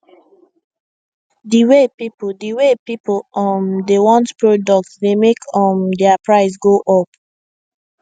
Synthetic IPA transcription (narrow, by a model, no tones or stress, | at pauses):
diwepipoldiwepipɔ̃mdewɔ̃ntpɹodɔk̚tsdemekʰɔ̃mdɛapɹaɪs̬ɡoʔɔp